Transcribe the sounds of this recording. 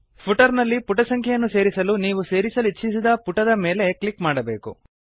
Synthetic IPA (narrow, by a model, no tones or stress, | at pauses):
pʰuʈɐɾnɐlːipuʈɐsɐŋkʰɐjɐnːuse̞ːɾisɐluniːʋuse̞ːɾisɐlit͡ʃːisid̪ɐpuʈɐd̪ɐme̞ːle̞klikmaːɽɐbe̞ːkṵ